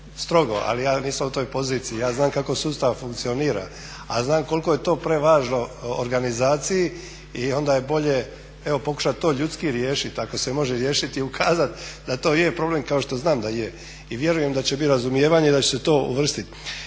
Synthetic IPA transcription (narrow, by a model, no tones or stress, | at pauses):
st̪ɾo̞ɡo̞̰ʔa̰lijaːniːsamut̪o̞ːjpo̞ziːt̪sijːjaːznaːmkako̞suːst̪aʋfuŋkt̪sio̞niːɾa̰ | a̰znaːmko̞lko̞jet̪o̞ːpɾe̞ʋaːʒno̞o̰ɾɡanizaːt̪siji | io̞nd̪aje̞bo̞ʎe̞ | eʋo̞po̞ku̥ʃat̪̚t̪ːo̞ːʎut̪skiɾjeːʃit̪ako̞se̞mo̞ʒeɾjeːʃit̪iukʰaːzat̪d̪at̪o̞ːjepɾo̞ble̞mkao̞ʃt̪o̞znaːmd̪aje | iʋje̞ɾuje̞md̪at͡ɕebit̪ɾazumjeːʋaɲe̞id̪at͡ɕeset̪o̞ːṵʋr̩st̪it̪